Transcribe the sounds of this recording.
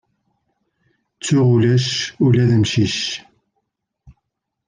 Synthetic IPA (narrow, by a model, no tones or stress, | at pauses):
t͡sːuʁulæʃulæðəmʃiʃ